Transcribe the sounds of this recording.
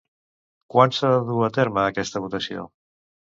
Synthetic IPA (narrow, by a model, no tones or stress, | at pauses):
kwansaðəðuət̪eɾməːkɛst̪əβ̞ut̪əsio̰